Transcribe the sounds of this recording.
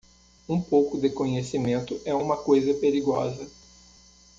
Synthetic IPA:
ũpowkʊd̪ɪkõɲesimẽnt̪ʊʔɛũmɐkojzɐpeɾiɡɔ̰zɐ

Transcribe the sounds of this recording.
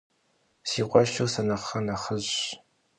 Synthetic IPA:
siːqʷʼɔʃuwsɐnɐχɐnɐχəʑ

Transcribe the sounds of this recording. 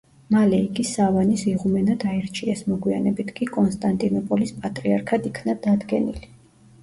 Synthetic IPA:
malɛiɡisavanisiʁumɛnad̪aɛɾt͡ʃʰiɛsmɔɡwia̰nɛbit̪ʰkʼikʼɔnst̪ʼant̪ʼinɔpʼɔlispʼat̪ʼɾiaɾkʰad̪ikʰnad̪ad̪ɡɛ̰nḭli

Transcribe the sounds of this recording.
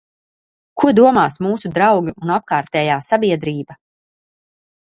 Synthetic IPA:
kʰuɔd̪uɔmaːsmuːsud̪ɾawɡiunap̚kaːɾt̪ɛːjaːsabiɛd̪ɾiːba

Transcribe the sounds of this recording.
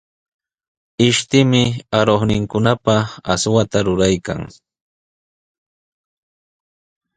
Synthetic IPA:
ɪʃt̪ɪmɪaɾoχnɪŋkʊnapaa̰swat̪aɾʊɾajka̰ŋ

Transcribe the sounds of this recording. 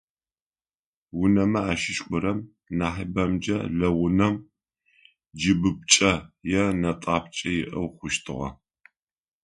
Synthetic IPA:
wʊnɐmɐaːʃɪʃʼkʷʼʊɾɐm | naːħɐbɐmd͡ʒɐ̰ɮɐwʊnɐm | d͡ʒɪbɨp̚t͡ʃʼɐjɛnɐtʼaːp̚t͡ʃʼɐjɪʔɐwχʷʊʃtʰɨʁɐ̰

